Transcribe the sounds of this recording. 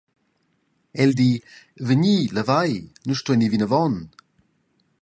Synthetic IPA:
ɛldi | vəniləvajnuʃtuɛnivinəvɔn

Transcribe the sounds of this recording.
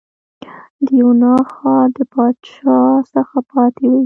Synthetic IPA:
d̪əjunɑxɑɾd̪əpɑd̪ʃɑsəxapɑt̪ewi

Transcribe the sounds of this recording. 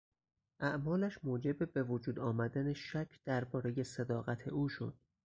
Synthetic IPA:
ʔæʔmɒːlæʃmoːd͡ʒe̞bebe̞vod͡ʒuːd̪ɒːmæd̪æneʃækʰd̪̥æɾbɒːɾe̞je̞sed̪ɒːɣæt̪ʰe̞̰ʔuːʃo̞̰d̪̥

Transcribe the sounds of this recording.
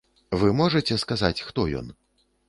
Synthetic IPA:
vɨmɔʐɐt͡sʲɛskazat͡sʲxt̪ɔjɔ̰n

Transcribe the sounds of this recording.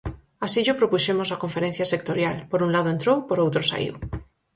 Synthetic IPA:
asiʎopɾopuʃemosakoɱfeɾẽn̟θjasek̚t̪oɾjalpoɾunlaðoent̪ɾowpoɾowt̪ɾosa̰ḭw

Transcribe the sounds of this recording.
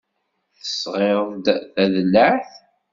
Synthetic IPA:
θəsʁed̪θæðlːəʕθ

